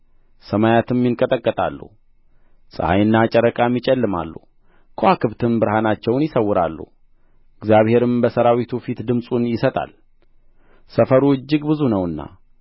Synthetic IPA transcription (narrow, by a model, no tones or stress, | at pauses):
səmajat̪ʰɨmjɪŋkʼət̪ʼəkʼːət̪ʼa̰lːṵ | sʼɨ̰ha̰jɨnːat͡ʃʼɛɾəkʼamjit͡ʃʼɛlːɨma̰lːṵ | kʰoakɨβt̪ʰɨmbɨɾhanat͡ʃːɛwnjɪsəwːʊɾa̰lːṵ | ɪɡzjaβhe̞ɾɨmbəsəɾawit̪ʰufit̪d̪ɨmsʼunjɪsət̪ʼa̰l | səfəɾuɨd͡ʒːɪɡbɨzunəwɨnːa̰